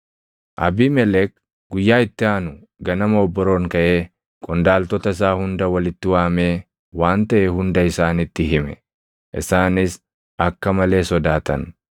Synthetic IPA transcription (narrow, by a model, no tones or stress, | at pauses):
ʔɐ̰biːmɛlɛk̚ | ɡʊjːaːɪt̪ːɪaːnʊ | ɡɐnɐmɐːbːɔɾo̞ːŋkɐʔe̞ː | kʼɔnd̪aːlt̪ɔt̪ɐɪs̬aːhʊnd̪ɐwɐlɪt̪ːɪwaːme̞ː | waːnt̪ɐʔɛhʊnd̪ɐɪsaːnɪt̪ːɪɦɪmɛ̰ | ʔɪ̰saːnɪs | ʔɐkːɐmɐle̞ːsɔd̪aːt̪ɐ̰n